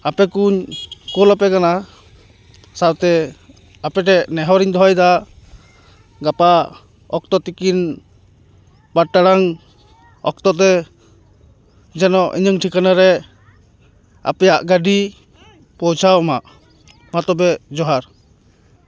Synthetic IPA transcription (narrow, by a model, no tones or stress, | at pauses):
apɛkuɲkɔlapɛkana | sawt̪ɛ | apɛʈɛnɛɦɔɾiɲd̪ʱɔjd̪a | ɡapa | ɔ̰k̚t̪ɔt̪ikin | baʈaɽaŋ | ɔ̰k̚t̪ɔt̪ɛ | d͡ʒɛnɔʔḭɲɯŋʈʰikanaɾɛ | a̰pɛjaʔɡaɖi | pɔwt͡ʃʰawɔmaʔ | mat̪ɔbɛd͡ʒɔɦaɾ